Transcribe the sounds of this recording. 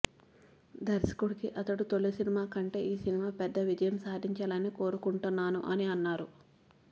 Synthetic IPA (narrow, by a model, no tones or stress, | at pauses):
d̪ɐɾsi̥kuɽikiʔɐt̪ɐɽut̪oɭːisinimaːkɐɳʈe̞ːiːsinimaːpɛd̪ːɐʋid͡ʒɐjɐmsaːd̪ʱiɲt͡ʃɐlɐnːiko̞ːɾukuɳʈunːaːnṵʔɐniɐnːaːɾu